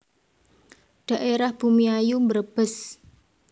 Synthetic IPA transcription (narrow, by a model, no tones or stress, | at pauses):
ɖ̥a̤ʔeɾahb̥umiajumbəɾb̥əs